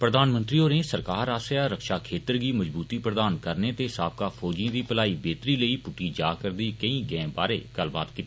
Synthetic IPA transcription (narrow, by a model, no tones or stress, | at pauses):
pɾəd̪aːnmə̃nt̪ɾioːɾẽsɐɾkaːɾaːseaɾːɐkʃakʰeːt̪əɾkimɐd͡ʒbuːt̪ipɾəd̪aːnkɐɾnet̪eɪsaːp̚kafʰɔːd͡ʒĩd̪ipəlaːibeːt̪ɾilɐipʊʈid͡ʒaːkəɾd̪ikɐĩɡɛ̃ːba̰ːɾeɡ̥ɐlba̰ːd̪kɪt̪ː